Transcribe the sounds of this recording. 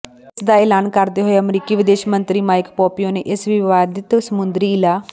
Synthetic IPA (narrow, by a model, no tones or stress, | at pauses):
sd̪aːeːlaːnkəɾd̪eːɦoːeəmɾiːkiːʋɪd̪eːʃmənt̪ɾiːmaːɪkpɔːpijoːnḛːʔɪsʋɪʋaːd̪ɪt̪səmʊnd̪ɾiːɪlaː